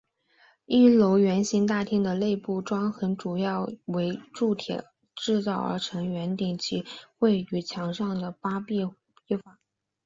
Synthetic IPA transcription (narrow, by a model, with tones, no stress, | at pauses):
i˥˩lo˧˥ʊɥɛ˧˥nɕi˧˥ŋt̪a˥˩t̪ʰi˥ŋd̪ə˨le˥˧ɪpu˥˩ʈ͡ʂwɑ˥ŋxə˧˥nʈ͡ʂu˨˩jɑ˥˩ʊwe˧˥ɪʈ͡ʂu˥˩t̪ʰjɛ̰˨˩˦ | ʈ͡ʂɻ̩˥˧t͡sɑ˥˩ʊə̰˧˥ʈ͡ʂʰɤ˧˥ŋɥɛ˧˥nt̪i˨˩ŋt͡ɕʰi˧˥xwe˥˩ɪy˨˩t͡ɕʰjɑ˧˥ŋʂɑ˥˩ŋd̪ə˩pa˥pi˥˩ | i˥˩fa˥˩